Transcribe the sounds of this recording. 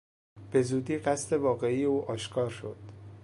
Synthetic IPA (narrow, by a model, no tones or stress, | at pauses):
b̥e̞zuːd̪iːɢæst̪e̞vɒːɣe̞iːjeuːʔɒːʃkʰɒːɾʃo̞̰d̪̥